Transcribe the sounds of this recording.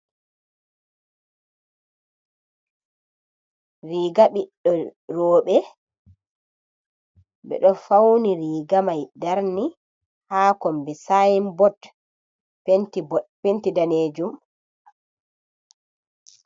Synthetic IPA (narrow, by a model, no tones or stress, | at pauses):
ɾiːɡaɓiɗɔɾɔːɓɛ | bɛ̰ɗɔfawniɾiːɡamajdaɾni | haːkɔmbɛsajimbɔt | pentibɔpentidaneːd͡ʒum